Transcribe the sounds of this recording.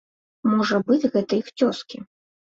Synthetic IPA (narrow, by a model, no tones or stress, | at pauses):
mɔʐɐbɨd͡zʲɣɛt̪ɐixt͡sʲɔskʲi